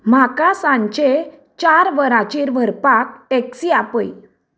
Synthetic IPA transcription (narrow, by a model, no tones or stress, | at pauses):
m̤akasãɲt͡ɕe | t͡ɕaɾʋəɾat͡ɕiːɾʋʱəɾpakeksiapəj